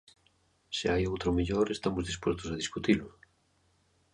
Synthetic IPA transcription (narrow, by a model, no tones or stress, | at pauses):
seajowt̪ɾomiʎoɾest̪amozðispwest̪osaðiskut̪ilʊ